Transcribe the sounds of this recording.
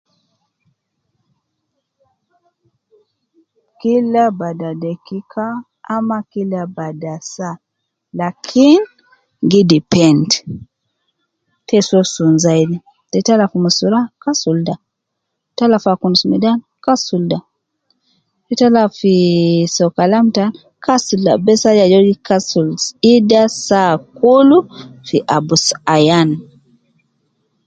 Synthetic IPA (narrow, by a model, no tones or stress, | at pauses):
kilːabadadekikʰaː | makilabadasa | lakʰin | ɡidipɛnd | tʰɛsɔsunzajdi | dɛtalafumusuɾakasulda | talafakunusmidan | kasulda | fitalafisɔkalamtan | kasulda̰bɛsad͡ʒad͡ʒɔɡikasulsidasakulufiʔabusajan